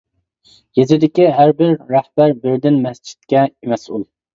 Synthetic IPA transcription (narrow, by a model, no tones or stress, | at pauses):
jezɪd̪ɪkʲiɦæɾbɪɾːæhbæɾbɪɾd̪ɪnmɛst͡ʃʰi̥t̪̚kʲɛemɛsulˠ